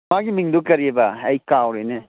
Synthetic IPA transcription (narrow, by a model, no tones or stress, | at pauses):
aɡimiŋdukɐɾiebɐːjkawɾejne